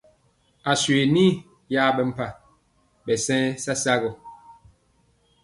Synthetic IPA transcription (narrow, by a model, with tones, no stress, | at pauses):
a˨swe˨ni˦ | ja˦bɛ˦m̩˨pa˦˨ | bɛ˨sɛ̃˦sa˦sa˦ɣɔ˨